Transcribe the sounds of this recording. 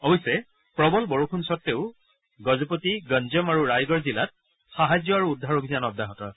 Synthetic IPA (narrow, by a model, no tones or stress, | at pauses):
ɔbɔjsɛ | pɹɔbɔlbɔɹukʰunsɔtːeʊ | ɡɔzɔpotiɡənzɔmaɹuɹajɡɔɹzilat̚ | xaɦazjɔaɹuːdʱːaɹobʱizanɔb̚daɦɔtɔ